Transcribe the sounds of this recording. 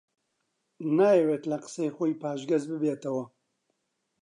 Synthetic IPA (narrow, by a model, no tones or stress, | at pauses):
najeweːt̪lɐqɨ̥sejxojpaːʒɡɐzbɨbeːt̪ɐwɐ